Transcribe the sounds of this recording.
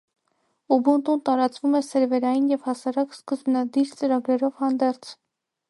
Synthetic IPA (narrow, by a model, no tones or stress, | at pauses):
ubunt̪unt̪ɑɾɑt͡svumɛsɛɾvɛɾɑjinjɛvhɑsɑɾɑkskəzbnɑd̪iɾt͡səɾɑɡɾɛɾɔvhɑnd̪ɛɾt͡sʰ